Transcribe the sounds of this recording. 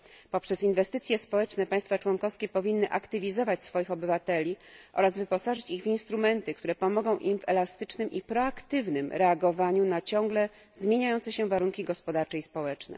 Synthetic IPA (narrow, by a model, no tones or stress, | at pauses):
pɔpʂɛsinvɛst̪ɘt̪sʲjɛspɔwɛt͡ʂnɛpaj̃st̪fat͡ʂwɔŋkɔfskʲɛpɔvʲinːɘʔakt̪ɘvʲizɔvat͡ɕsfɔjixɔbɘvat̪ɛlʲiʔɔ̰ɾazvɘpɔsaʐɘt͡ɕiɣvinst̪ɾumɛnt̪ɘkt̪uɾɛpɔmɔɡɔ̃w̃ʔimvɛlast̪ɘt͡ʂnɘmʔipɾɔakt̪ɘvnɘmɾɛaɡɔvaɲunat͡ɕɔ̃ŋɡlɛ | zmʲjeɲajɔnt̪sɛɕɛvaɾuŋkʲiɡɔspɔd̪aɾt͡ʂɛispɔwɛt͡ʂnɛ̰